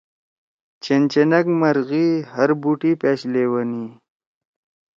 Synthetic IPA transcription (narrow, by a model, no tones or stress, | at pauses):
t͡ʃent͡ʃenɐkmɐɾɣihəɾbuʈipeːɕlewəni